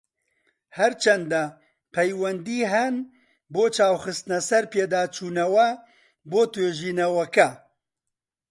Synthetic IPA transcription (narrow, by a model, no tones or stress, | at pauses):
hɛɾt͡ʃʰɛnd̪ɐ | pʰɛjwɛnd̪iːɦɛn | boːt͡ʃʰaːwxɨst̪nɐsɐɾpeːd̪aːt͡ʃʰuːnɐwɛ | boːt̪weːʒiːnɐwɐkɐ